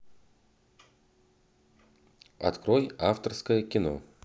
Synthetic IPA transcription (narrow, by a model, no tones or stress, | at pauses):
ɐ̰t̪kɾojaft̪ərskəjəkʲɪno̰